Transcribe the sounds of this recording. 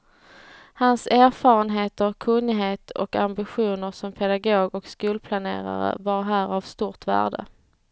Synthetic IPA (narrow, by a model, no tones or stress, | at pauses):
hansæːɾfɑːɾənɦeːt̪əɾkʰɵnːɪɦeːt̪ʰɔkambɪɧuːnəɾsɔmpʰɛd̪aɡoːɡɔkskuːlpʰlanḛːɾa̰ɾə̰vaɾɦæːɾavst̪uːɾʈvæ̰ːɖə̰